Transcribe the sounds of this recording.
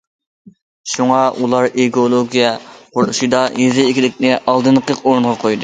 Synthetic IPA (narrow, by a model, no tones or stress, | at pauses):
ʃuŋɑʔulˠɑɾiɡolˠoɡʲijɛqʰoɾuʃid̪ɑjizɪikʲilɪkʲnɪʔɑlˠd̪ɨnqəqoɾunʁɑqʰojd̪ɨ